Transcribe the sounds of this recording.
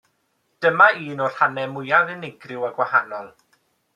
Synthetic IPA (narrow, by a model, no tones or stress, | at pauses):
d̥əmaiːnɔr̥hanɛmʊjaðɪnɪɡrɪwaɡwahanɔlˠ